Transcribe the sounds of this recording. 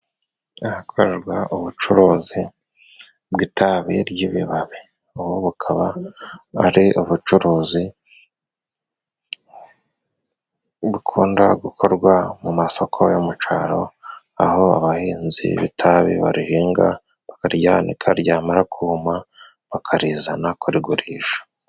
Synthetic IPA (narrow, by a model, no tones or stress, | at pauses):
ahakʰoɾeɾɡwaʔuβut͡ʃuɾuːzi | bɡitʰaβiɾjiβḭβaβi | uβoβukʰaβaː | ɾiʔuβut͡ʃuɾuːzi | βukʰuːndaɡukʰoɾɡwamumaso̞kʰo̞jomut͡ʃaɾo̞ | a̰ho̞a̰βahiːnzḭβitʰaβḭβa̰ɾihiːŋɡa | βakaɾɟaːnḭkʰaɾɟaːmaɾakʰuhuma | βakʰaɾiːzanakʰuɾiɡuɾiːʃḁ